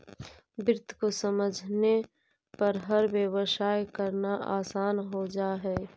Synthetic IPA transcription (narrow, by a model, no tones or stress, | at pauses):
bɾɪt̪ʰkosəməd͡ʒʱne | pɐɾɦəɾʋjəwəʃaːjkəɾnaʔaːsaːnɦod͡ʒaːɦɛː